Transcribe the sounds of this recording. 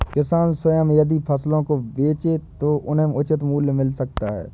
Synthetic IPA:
kɪsaːnsʊjəmjəd̪ipʰəslõkobeːt͡ʃet̪oːʔʊnɦẽmʊt͡ʃɪt̪muːlmɪlsək̚t̪aɦɛ̰ː

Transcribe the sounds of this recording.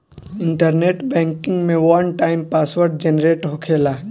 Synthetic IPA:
ɪ̃ɳʈəɾneːʈbɛ̃ːŋkɪ̃ŋɡmẽʋɐnʈaːɪmpaːsʋəɾɖ̚d͡ʒenɾeːʈɦokʰeːlaː

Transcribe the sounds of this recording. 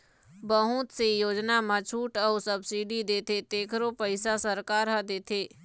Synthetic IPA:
bəɦʊ̃t̪sejoːd͡ʒnamãt͡ʃʰuːʈɔːsəbsiɖid̪eːt̪ʰet̪eːkʰɾopəɪsasəɾkaːɾɦad̪eːt̪ʰeː

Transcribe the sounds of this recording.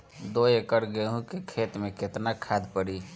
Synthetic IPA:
d̪oekəɾɡeɦũkekʰeːt̪mẽkɪt̪nakʰad̪pəɽi

